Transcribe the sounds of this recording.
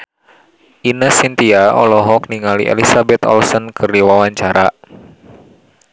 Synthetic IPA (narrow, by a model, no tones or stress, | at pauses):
ʔinasint̪iaʔɔ̰lɔɦɔk̚niŋalḭʔḛlisabɛt̪ɔ̰lsɔnkʰɨrdiwawaɲt͡ʃaɾa